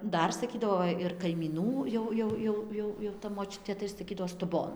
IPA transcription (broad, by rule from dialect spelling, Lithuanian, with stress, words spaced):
ˈdɐr sɐˈkʲiːdɐʋoː ˈʋɐ ɪr kɐɪmʲiːˈnuː jɛʊ ˈjɛʊ ˈjɛʊ ˈjɛʊ jɛʊ tɐ moːˈt͡ʃʲʊtʲeː tɐɪ sɐˈkʲiːdɐʋoː stʊˈboːn